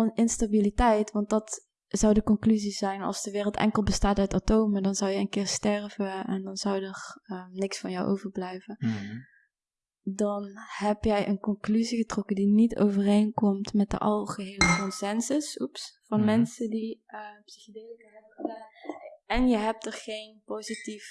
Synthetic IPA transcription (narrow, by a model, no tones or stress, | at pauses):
nɪnstabilitɛjtʋɑnt̚dɑt | z̥awdəkɔnklyzizɛjnɑ̰lˠsdəʋɪːrəlˠtɛ̰ŋkəlˠbəstaːtœɥtatowmədɑnzɑwjəənkɪːɹstɛrvəɛndɑnzʌwdərənɪksfɑnjawʔo̰wvərblɛjvə | dɑnhɛpjɛjʔənkɔnklyziɣətrɔkədinito̰wvərejnkɔmtmɛt̚də̰ʔɑlˠɣəɦeːləkɔnsɛnsəsupsfɑnmɛnsədi | əpsixdeləkɛ | ɛnjəɦɛp̚təχejnpowzitif